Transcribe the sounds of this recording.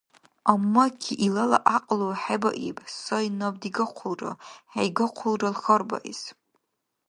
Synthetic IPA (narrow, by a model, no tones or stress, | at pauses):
amːakʲʰiʔilala̰ʔaqʼloħaba̰ʔḭpʼsojnabdiɡɨqʷʰʊlra̰ħajɡɨqʷʰʊlralxərba̰ʔis